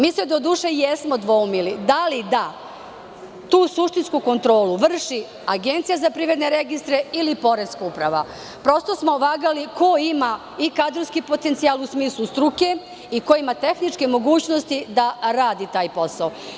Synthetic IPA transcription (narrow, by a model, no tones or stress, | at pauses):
miːsed̪o̞d̪uːʃe̞jesmod̪ʋoumilid̪alid̪a | t̪uːsuʃt̪inskuko̞nt̪ɾo̞ːluʋr̩ʃi | aɡe̞nt̪sijazapɾiʋɾe̞d̪ne̞ɾeɡist̪ɾeilipo̞ɾeskupɾaʋa | pɾo̞st̪o̞smoʋaːɡaliko̞ima | ikad̪ɾoskipo̞t̪ent̪sialusmiːslˠust̪ɾuke̞ | ikoimat̪e̞xnit͡ʂkemo̞ɡuːt͡ɕnost̪id̪aɾaːd̪it̪aːjpo̞sao